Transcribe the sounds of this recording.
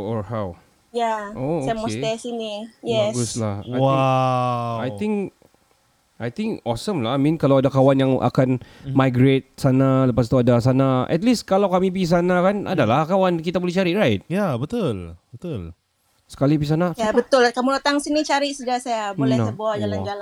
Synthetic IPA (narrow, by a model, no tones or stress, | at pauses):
ɔhaw | jaoskmɔsɛsinijɛsɡuslaha | ajt̪ɪ̃ŋk | ʔajt̪ɪ̃ŋkɔsəmlamĩnkalawadakawanjaŋʔa̰kanmajɡɾet̪̚sanaləpas̬t̪uadas̬anaʔɛ̰t̪̚liskalawkamipis̬anakana̰dalahkawankit̪abolɛht͡ʃaɾiʔɾajt̪̚jabət̪ʊlbət̪ʊl | sə̥kalibis̬anajabət̪ʊlkamulot̪aŋsinit͡ʃaɾiʔsudasajabəolɛhnəbuad͡ʒaland͡ʒala